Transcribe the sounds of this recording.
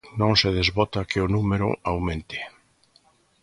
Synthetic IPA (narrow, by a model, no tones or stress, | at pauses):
nõŋseð̞ezβɔt̪akɪʊnumeɾʊ̰awmẽnt̪ɪ̥